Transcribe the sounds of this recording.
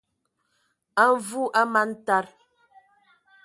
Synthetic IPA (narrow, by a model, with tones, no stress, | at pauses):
a˦ɱ˨vu˦ʔa˦ma˦n̩˦ta˦ɾ